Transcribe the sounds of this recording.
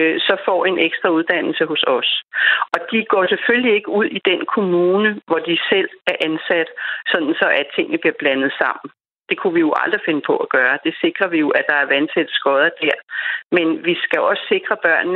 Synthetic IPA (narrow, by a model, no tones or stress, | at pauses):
sɒ̽fɒ̰e̝nʔeɡ̥sd̥ʁɐuð̞ˠd̥æn̰l̩səɦo̝sɒ̽sʔɒ̽d̥iɡ̥ɒ̰ːseføllie̝ɡ̥əuð̞̰ˠid̥enkʰo̝muːnəʋɒd̥isel̰æɐʔænsæd̥sɒ̽d̥n̩sɒ̽ʔæt͡sʰe̝ŋ̰nəb̥liɐb̥lænð̞̩ˠsɑ̈m̰n̩ | d̥e̝kʰuʋijo̝ʔɑ̈ld̥ʁife̝nəpʰɒ̽ʔæɡ̥ɶːɐd̥e̝se̝ɡ̥ʁɐʋijo̝ʔæd̥ɑ̈æɐʋænsʰed̥sɡ̥ɒðˠɐd̥æɐ̰menʋisɡ̥æɒ̽sse̝ɡ̥ʁɐb̥ɶɐ̰nnə